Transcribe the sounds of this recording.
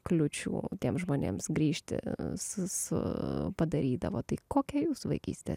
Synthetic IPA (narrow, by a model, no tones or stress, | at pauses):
klʲʊt͡ʃʲṵːt̪ʲiɛmsʒmoːnʲḛːmsɡɾʲiːʃʲt̪ʲɪ̰sʊsʊ̰pɐd̪ɐɾʲiːd̪ɐ̰ʋoːt̪ɐɪkoːkʲɛjuːsʋɐɪkʲḭːsʲt̪ʲḛ